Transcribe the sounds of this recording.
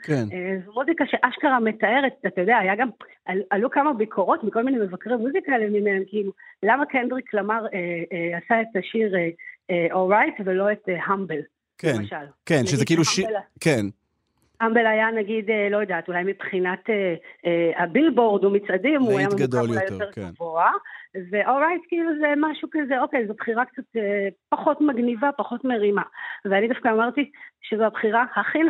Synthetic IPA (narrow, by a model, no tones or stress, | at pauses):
kenezmuzikaʃe̞ʔaʃkaʁametae̞ʁetat̪ajo̞d̪eaːjaɡam | aluʔalukamabikʰo̞ʁo̞tmiko̞lmineme̞vakʁimuzikaelemimeemkiilulamakendʁiklamaʁeeasaetaʃiʁeeolʁajtvelo̞e̞teɦambel | keemanʃalkenʃeziekiiluʃken | hambelajanaɡidelo̞jod̪aːtulajmipχinateeabilbo̞ʁd̪omit͡sʔadimuajamaɡad̪ajajott̪eʁɡavoave̞ʔoʁajtkiiluzemaʃukazeo̞kejzobχiʁakt͡sat̪epaχo̞tmaɡnivapaχo̞tmeʁimaveanid̪afkaomaʁt̪iʃezoabχiʁahaχi